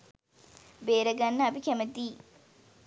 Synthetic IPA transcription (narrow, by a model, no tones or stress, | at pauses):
beːɾɐɡɐnːɐɐbikɛmɐt̪iː